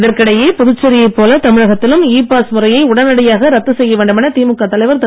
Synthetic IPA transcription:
ɪðɐrkɐɽɐjeːpɔðʊt͡ʃːɐɾɪjɐɪpːoːlɐt̪ɐmɪɻɐɣɐt̪ːɪlɯmiːpːaːsmʊrɐjɐɪʊɽɐnɐɽɐjaːɣɐɾɐt̪ːɯsɛjːɐʋeːɳɖɯmɪnɐt̪iːmɯkːat̪ːɐlɐɪʋɐɾt̪ɐ

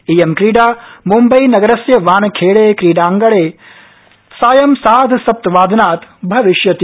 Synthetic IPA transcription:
ijemkɾiːɖaːmumbɐjnɐɡɐɾɐsjɐʋaːnɐkʰeːɭeːkɾiːɖaːŋɡɐɭeː | saːjɐmsaːd̪ʱsɐp̚t̪ʋaːd̪naːt̪bʱɐʋiʃjɐt̪

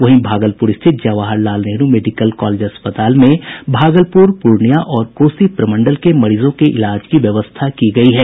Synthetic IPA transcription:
ʋɐɦĩbʱaːɡəlpuːɾɪst̪ʰɪt̪̚d͡ʒɐʋaːɦəɾlaːlneɦnumeːɖɪkəlkɔːleːd͡ʒɦɐspət̪aːlmẽbʱaːɡəlpuːɾpuːɾɳijaʔɔːɾkoːsipɾɐmə̃ɳɖəlkemɐɽiːzõkeʔɪ̰laːd͡ʒkiʋjɐʋəst̪ʰakiɡɐiɦɛː

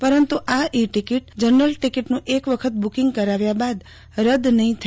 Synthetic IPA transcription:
pəɾənt̪uʔaʔiʈikiʈd͡ʒəɾnəlʈikiʈnũʔekʋəkʰət̪̚bukĩŋɡ̚kəɾaʋjabad̪ | ɾəd̪nəɦĩt̪ʰə

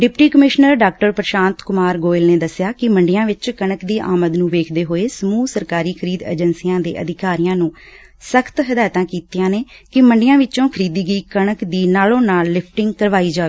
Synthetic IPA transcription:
ɖɪpʈiːkəmɪʃnəɾɖaːk̚ʈəɾpɾʃãːnt̪kʊmaːɾɡoːɪlneːd̪əsːɪjaːkɪməɳɖɪjãːʋɪt͡ʃkəɳəkd̪iːʔa̰ːməd̪nũːʋeːkʰd̪eːɦoːeːsəmuːsəɾkaːɾiːkʰəɾiːd̪ḛd͡ʒənsijãːd̪ḛːʔə̰d̪ɪkaːɾɪjãːnũː | səkʰt̪ɦəd̪aːt̪ãːkiːt̪ijãːneːkɪməɳɖɪjãːʋɪt͡ʃõːkʰəɾiːd̪iːɡəiːkəɳəkd̪iːnaːlõːnaːlːɪpʰʈɪŋɡkəɾʋaːiːd͡ʒaː

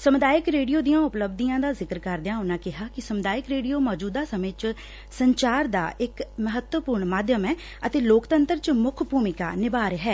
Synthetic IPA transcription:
səmʊd̪aːjɪkɾeːɖijoːd̪ijãːʊpləbd̪ijãːd̪aːzɪkəɾkəɾd̪jãːʊnãːkɪɦaːkɪsəmʊd̪aːjɪkɾeːɖijoːmɔːd͡ʒuːd̪aːsəmẽːt͡ʃ | səɲt͡ʃaːɾd̪a̰ːʔɪkməɦət̪wəpuːɾɳmaːd̪jəmɛ̃ː | ət̪eːloːkt̪ənt̪əɾt͡ʃmʊkʰpuːmɪka̰ːnɪbaːɾɦɛː

